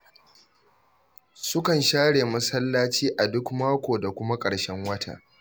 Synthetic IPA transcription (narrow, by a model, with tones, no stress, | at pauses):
sʊ˦kɐ˨nʃaː˦ɽeː˨mɐ˦sɐ˦lːaː˦t͡ʃiː˦ʔa˨dʊ˦kmaː˦kʷoː˨da˨kʷʊ˦ma˦kʼɐ˨ɽʃɛ˦ŋwɐ˦tʰa̰ː˦˨